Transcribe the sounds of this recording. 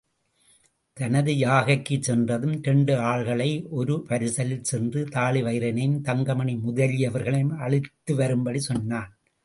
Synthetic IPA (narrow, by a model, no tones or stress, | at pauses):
t̪ɐnɐðɯjaːɣɐkːɯsɛndrɐðɯmtɛɳɖɯaːɭɣɐɭɐɪʔɔɾɯʋɐɾɯsɐlɪlsɛndrɯt̪aːɭɪʋɐɪɾɐnɐjmt̪ɐŋɡɐmɐɳimʊðɐlɪjɐʋɐɾɣɐɭɐjmɐɭɪt̪ːɯʋɐɾɯmbɐɽisɔnːaːn